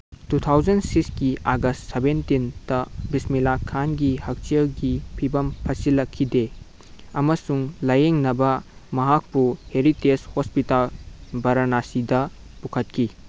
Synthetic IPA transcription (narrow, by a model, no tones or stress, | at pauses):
tutʰawd͡ʒɐnsiksɡiʔaɡɐstsebentindɐbismilakʰːanɡihɐk̚t͡ʃiɐɡipʰibɐmpʰɐsilɐkʰːide | ɐmɐsuŋlɐjeŋnɐbɐmɐɦak̚puheɾiteshospitalbɐɾɐnasidɐ | pukʰɐt̚kʰi